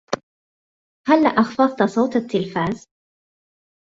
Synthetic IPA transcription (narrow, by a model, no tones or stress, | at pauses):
halːaʔɑxfɑðˤt̪asˤɑwt̪at̪ːɪlfaːz